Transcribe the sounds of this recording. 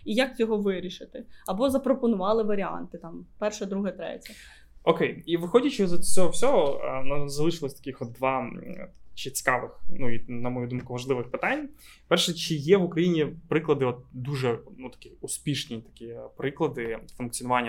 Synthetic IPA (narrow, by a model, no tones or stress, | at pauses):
ijɐk̚t͡sʲɔɦɔʋɪɾʲiʃɪt̪ɪɐbɔzɐpɾɔpɔnʊʋɑlˠɪʋɐɾʲiɑ̰nt̪ɪt̪ɑmpɛrʃɛd̪ɾuɦɛt̪ɾɛ̰tʲɐ | ɔkejiʋɪxɔdʲɐt͡ʃɪzɔsʲɔɦɔwsʲɔɦɔnɐzɐlˠɪʃɪlˠɐsʲt̪ɐkʲɪxɔt̪̚d̪ʋɑ | t͡ʃɪt͡sʲɪ̥kɑʋɪxnuinɐmɔjud̪umkʊʋɐʒlˠɪʋɪxpɪt̪ɑnʲ | ppɛrʃɛt͡ʃɪjɛʋʊkɾɐjinʲipɾɪklˠɐd̪ɪɔt̪̚d̪uʒɛnut̪ɐ̥kʲɪʊspʲiʃnʲijt̪ɐ̥kʲijɛpɾɪklˠɐd̪ɪfʊnk̚t͡sʲinʊʋɑnʲːɐ